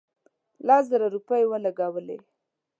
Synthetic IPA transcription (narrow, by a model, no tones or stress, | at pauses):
lɑzaɾaɾupajwəlaɡawəlḛ